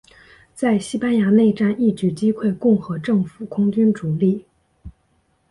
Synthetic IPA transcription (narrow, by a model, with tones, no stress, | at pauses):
t͡sa˥˩ɪɕi˥pa˥nja˧˥ne˥˩ɪʈ͡ʂa˥˧ni˥˩t͡ɕy˨˥˩t͡ɕi˥kʰwe˥˧ɪkʊ˥˩ŋxɤ˧˥ʈ͡ʂɤ˥˩ŋfu˨˩kʰʊ˥ŋt͡ɕy˥nʈ͡ʂu˨˩li˥˩